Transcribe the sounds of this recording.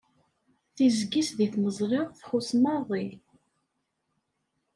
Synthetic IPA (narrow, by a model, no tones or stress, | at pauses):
θizɡisðiθməzˤɾɪʁθχusmɑðˤi